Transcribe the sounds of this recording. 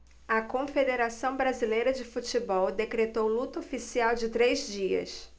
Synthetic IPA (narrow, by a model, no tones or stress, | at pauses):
ɐkõfed̪eɾasɐ̃w̃bɾazilejɾɐd͡ʒɪfut͡ʃɪbɔwd̪ekɾet̪owlut̪ɐofisiawd͡ʒɪt̪ɾezd͡ʒiɐ̰s